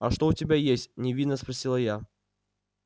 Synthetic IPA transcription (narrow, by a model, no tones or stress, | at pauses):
ɐʂt̪oʊtʲɪbʲajesʲtʲnʲɪvʲid̪nːəspɾɐsʲilˠəja